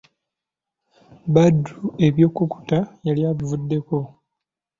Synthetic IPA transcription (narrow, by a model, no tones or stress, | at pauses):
badːue̞βjo̞ːkuku̥tajaljaːβivudːe̞ko̞